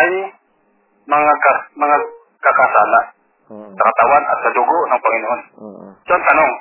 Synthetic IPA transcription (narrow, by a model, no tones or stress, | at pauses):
ʔaj | mɐŋakamɐŋa | kakasaːla | sɐkat̪awanʔa̰t̪̚sad̪ʊɡoʔnaŋpaŋɪnoʔonsont̪anoŋ